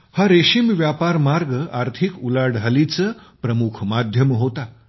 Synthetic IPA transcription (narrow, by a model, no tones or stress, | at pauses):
haɾeɕimʋjapaɾmaɾɡəaɾt̪ʰikulaɽʱalit͡səpɾəmukʰmad̪ʱjəmɦot̪a